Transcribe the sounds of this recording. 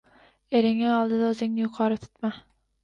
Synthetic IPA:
e̞ɾɪŋɪɒlˠd̪ɪd̪aɵzɪŋnɪjʊqʰɒɾɪt̪ʰʊ̥t̪ma

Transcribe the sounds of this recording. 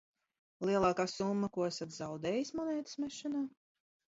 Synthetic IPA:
lˠiɛlˠɑːkaːsumːakuɔæsat̪zawd̪ɛːjismɔnɛːt̪ɨ̥smɛʃɛnaː

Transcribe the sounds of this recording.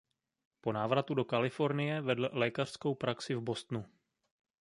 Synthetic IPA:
po̞naːvɾat̪udo̞kalɪfo̞ɾnɪjɛvɛdl̩lɛːkar̥sko̞wpɾʔaksɪvbo̞st̪nu

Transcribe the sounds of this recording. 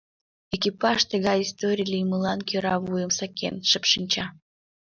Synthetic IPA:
ekʲipɑʃt̪əɣɑist̪oɾʲilʲijməlˠɑnkʲøɾɑβujəmsakʲḛnʃəpʃɨnʲt͡ɕɑ

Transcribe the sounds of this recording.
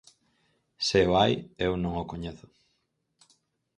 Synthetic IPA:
seoajewnõŋokoɲeθʊ̥

